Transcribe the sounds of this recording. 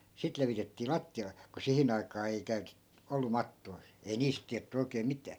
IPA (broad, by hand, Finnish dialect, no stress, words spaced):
sit leʋitetːiː lɑtːiɑle ku sihin ɑikɑː ei kæytet olːu mɑtːoi̯ ei niːst tiætːy oikeːm̆ mitæː